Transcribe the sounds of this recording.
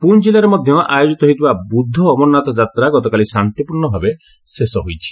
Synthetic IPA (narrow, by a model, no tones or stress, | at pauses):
pund͡ʒilaɾemɔd̪ʱjɔʔajod͡ʒit̪ɔɦoijt̪ʰibabud̪ʱːɔːmɔnːat̪ɔd͡ʒat̪ɾaɡɔt̪ɔkalisant̪ipuɾɳɔbʱabe | sesɔɦojt͡ʃʰi̥